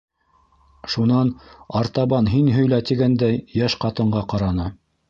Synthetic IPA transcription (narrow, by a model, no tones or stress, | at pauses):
ʃunɑnɑɾt̪ɑβɑnɦinɦɵ̆jlæt̪iɡænd̪æjːæʃqɑt̪ɤ̆ɴɢɑqɑɾɑnɤ